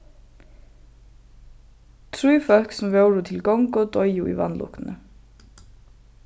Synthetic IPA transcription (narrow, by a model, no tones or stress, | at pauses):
t̪ʰɹʉːfœlksm̩ʋəʊɹuːt̪ʰɪlɡɔŋɡoːd̪ɔʏuʔḭːʋɑ̰nlʊ̰kn̩ə